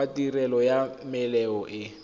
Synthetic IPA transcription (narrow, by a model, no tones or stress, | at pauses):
atʼirɛlɔjamɪlɛɔʔɪ